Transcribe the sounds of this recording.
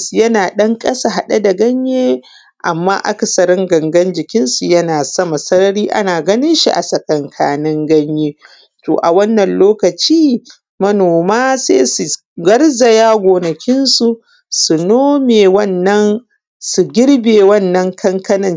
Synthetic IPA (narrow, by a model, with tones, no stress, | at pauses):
su˨jɐ˦naː˨ɗɐ˦ŋkʼɐ˦sa˨ɦa˨ɗa˦da˨ɡɐ˦ɲjeː˦ | ʔa˨mːaː˦ʔa̰˦kɐ˨sɐ˨ɾɪ˦ŋɡɐ˨ŋɡɐ˦nd͡ʒɪ˨kʲɪ˦nsu˨jɐ˦naː˨sɐ˦ma˨sɐ˦ɾɐ˦ɾiː˦ʔa̰˦naː˨ɡɐ˦nɪ˦nʃḭ˦ʔa̰˨sɐ˨kʼɐ˨ŋkʰa̰ː˨nɪ˦ŋɡɐ˦ɲjeː˦ | to̰ː˨ʔa˨wɐ˦nːɐ˨nloː˦kɐ˨t͡ʃiː˦ | mɐ˦noː˨maː˦seː˦su˨ | ɡɐ˦ɽza˨jaː˦ɡʷoː˨nɐ˨kʲɪ˦nsu˨ | su˨noː˦meː˨wɐ˦˨nːɐ˦n | su˨ɡʲɪ˦ɽbeː˨wɐ˦˨nːɐ˦ŋkʰɐ˦ŋkɐ˦nɐ˨n